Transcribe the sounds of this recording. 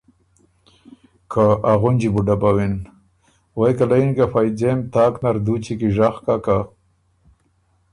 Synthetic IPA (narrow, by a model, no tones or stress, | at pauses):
kʰaaɣʊnd͡ʑibuɖabawin | wajkalainkafajd͡ʑemt̪aːknaɾd̪ut͡ɕikiʐaxkaka